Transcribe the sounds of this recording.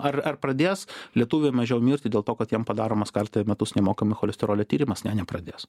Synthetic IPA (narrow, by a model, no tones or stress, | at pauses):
ɐrɐrpɾɐd̪ʲeːslʲiɛt̪uːʋʲejmɐʒʲɛʊmʲiːɾʲt̪ʲɪd̪ʲeːlˠt̪oːkɐt̪jiɛmpɐd̪ɑːɾoːmɐskɐrt̪ɐmʲɛt̪ʊsnʲɛmoːkɐmʲɪxolʲɛsʲt̪ʲɪɾoːlʲɛt̪ʲiːɾʲɪmɐsnʲænʲɛpɾɐd̪ʲeːs